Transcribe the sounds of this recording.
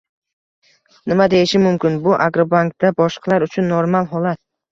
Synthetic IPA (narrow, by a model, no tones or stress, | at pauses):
nɪmad̪ejɪʃɪmʊmkʲɪnbʊʔaɡɾobaŋk̚d̪abɒʃqʰɑlaɾʊt͡ʃʰʊnːoɾmalˠɦɒlat̪̚